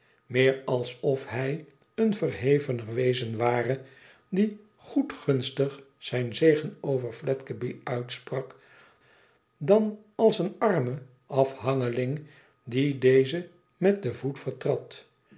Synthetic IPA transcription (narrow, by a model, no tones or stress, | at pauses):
mɪːɹɑlˠsɔfhɛj | ənvəɹɦejvənəʋejzənʋaːrə | di | χutχɵnstəχ | z̥ɛjnzejχənowvəɹflɛtkəbiœɥtsprɑk | dɑn | ɑlˠsənɑɹmə | ʔɑfɦɑŋəlɪŋ | didejzə | mɛt̚dəvutfəɹtrɑt